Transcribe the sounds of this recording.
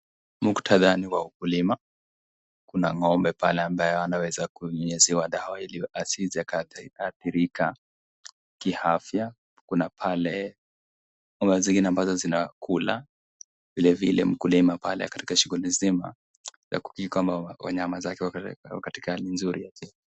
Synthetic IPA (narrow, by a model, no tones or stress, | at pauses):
muku̥tʰaðaniwaukulima | kunaŋɔmbɛpalɛambajɛanawɛzakuɲɔɲɛziwaɗaailiasziakaaθiɾika | kihafja | kunapʰalɛ | ŋɔmbɛziŋɡinɛambazɔzinakʰula̰ | vilɛvilɛ̰m̩kulimapalɛ̰kḁti̥kaʃuɣulizima̰ | za̰ku̥kiikwambawa̰ɲamazakɛwa̰kati̥kahalinzuɾiakɛ